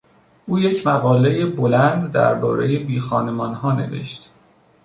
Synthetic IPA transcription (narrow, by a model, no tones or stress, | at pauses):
ʔuːje̞cʰmæɣɒːle̞jebolænd̪d̪æ̰ɾbɒːɾe̞jebiːxɒːnemɒːnhɒːne̞̰ve̞̰ʃt̪